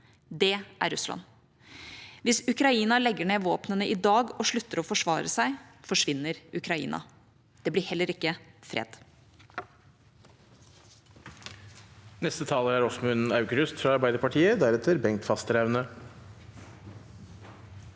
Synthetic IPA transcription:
d̪ɛʔæ̰ɾʉslɑ̰n | ʋɪsʉkɾɑiːnɑlɛɡːəɳeːʋoːpnənəʔɪd̪ɑːɡɔʂɭʉt̪ːəɾɔfɔʂʋɑ̰ːɾəsæɪfɔʂʋɪnːəɾʉkɾɑḭːnʔɑ̰ | d̪̥ɛblɪhɛlːəɾɪkːəfɾḛːd̪̥ | nɛst̪ət̪ʰɑːləɾæɾɔsɔmʉnɑʉkɾʉst̪fɾɑɑɾbæɪd̪əɾpɑʈʰiːəd̪æɾɛt̪əɾbɛŋt̪fɑst̪ɾæʉnə

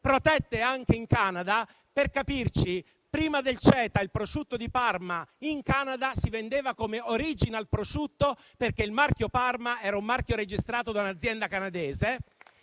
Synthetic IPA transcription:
pɾot̪ɛt̪ːeaŋk̟eiŋkaːnad̪a | perkapirt͡ʃi | pɾiːmad̪elt͡ʃɛːt̪ailpɾoʃut̪ːod̪iparmaiŋkaːnad̪asivend̪eːvakomeoɾiːd͡ʒinalpɾoʃut̪ːo | perkeilmarkjoparmaɛːɾaumːarkʲjoɾed͡ʒist̪ɾaːt̪od̪aunad̪zːjɛnd̪akanad̪eːze

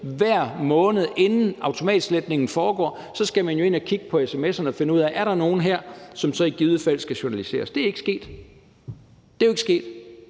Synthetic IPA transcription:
ʋæɐ̰mɔ̽ːnəð̩ˠʔe̝nn̩ɑ̈ʊt͡sʰo̝mɛ̰ːd̥i̥sled̥ne̝ŋn̩fɒːɡ̥ɒ̰ː | sɒ̽sɡ̥æmænjo̝e̝nækʰiɡ̥əpʰɒ̽esemesɐnəɒ̽fe̝nəuð̰ˠæʔæɐɾ̥ɑ̈no̝ːn̩ɦeɐ̰sɒ̽msɒ̽iɡ̥iðˠəfæl̰sɡ̥æɕonælise̝̰ːɐsd̥e̝æɐe̝ɡ̥əsɡ̥e̝̰ːd̥ | d̥e̝æjoe̝ɡ̥sɡ̥e̝̰ːd̥

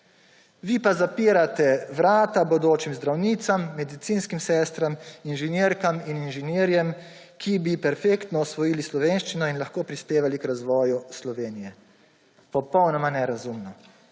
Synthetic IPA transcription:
ʋipazapiːɾat̪ɛʋɾaːt̪abɔd̪oːt͡ʃimzd̪ɾawniːt̪samːɛd̪it̪siːnskimsɛːst̪ɾaminʒɛnjeːɾkamininʒɛneːɾjɛm | kʰibipɛɾfeːkt̪nɔɔsʋɔjiːlislɔʋeːnʃt͡ʃinɔinlaxkoːpɾispeːʋalikɾazʋɔːjuslɔʋeːnijɛ | pɔpɔwnɔmanɛɾazumnɔ

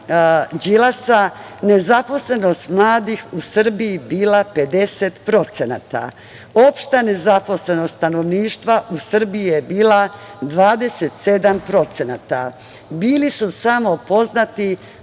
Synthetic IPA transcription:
d͡ʒilasa | ne̞zapo̞sle̞no̞st̪mlˠaːd̪ixusr̩biibiːlape̞d̪e̞set̪pɾo̞t̪sena̰t̪a̰ | o̞pʃt̪ane̞zapo̞sle̞nost̪t̪ano̞ʋniːʃt̪ʋaʔusr̩bijijebiːlad̪ʋaːd̪e̞set̪se̞d̪ampɾo̞t̪se̞nat̪a̰ | biːlisusamo̞po̞znat̪i

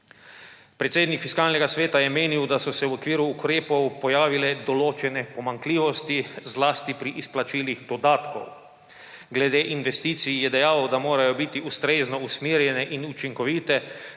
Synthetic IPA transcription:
pɾɛt̪seːd̪nikfiskaːlnɛɡasʋeːt̪ajɛmeːniwd̪asɔsɛwɔkʋiːɾuːkɾeːpɔwpɔjaːʋilɛd̪ɔloːt͡ʃɛnɛpɔmaŋkliːʋɔst̪izlaːst̪ipɾiʔisplat͡ʃiːliɣd̪ɔd̪aːt̪kɔ̰w | ɡlɛd̪eːʔinʋɛst̪iːt̪sijjɛd̪ɛjaːwd̪amoːɾajɔbit̪iust̪ɾeːznɔusmiːɾjɛnɛʔinut͡ʃiŋkɔʋiːt̪ɛ

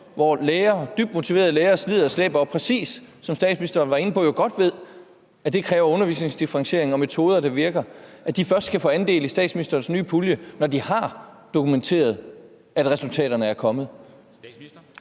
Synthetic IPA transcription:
ʋɒleːɐd̥yb̥̚d̥mo̝t͡sʰiʋe̝̰ːɐð̩ˠleːɐslið̞̰ˠɐslḛːb̥ɐɒpʰʁɛsḭːsː | ɒ̽msd̥ɛ̰ːd̥sminisd̥ɐːnʋɑ̈e̝nəpʰɔ̽joɡ̥ɒ̽d̥ʋe̝ð̞ˠ | æd̥ekʰʁɛːʊɐɔ̽nɐʋḭːsne̝ŋsd̥ifʁɑ̈ŋɕe̝ɐ̰e̝ŋ̩nɒ̽met͡sʰo̝ːð̞ˠɐd̥ɑ̈ʋiɐɡ̥ɐʔæd̥ifɶɐsd̥̚kʰæfɔ̰ːænd̥e̝̰ːlisd̥ɛ̰ːd̥sminisd̥ɐːnsny̰ːpʰuljənɒd̥ihɑ̈ | d̥o̝kʰument͡sʰe̝̰ːɐð̞ˠ | æd̥ʁɛsult͡sʰɛ̰ːd̥ɐnəæɐkʰɒ̽mð̞̩ˠ

